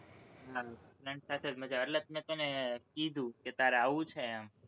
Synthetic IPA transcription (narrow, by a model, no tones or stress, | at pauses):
ɦanəɳsat̪ʰed͡ʒməd͡ʒaəɾlət̪̚mẽt̪ənekid̪ʱũket̪aɾeaʋũt͡ʃʰeam